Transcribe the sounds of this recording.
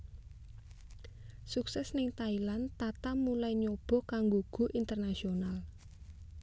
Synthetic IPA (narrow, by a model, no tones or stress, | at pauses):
suksɛsnɪŋt̪ailant̪at̪amulaiɲob̥ɔ̤kaŋɡoɡ̥o̤ʔint̪ərnasional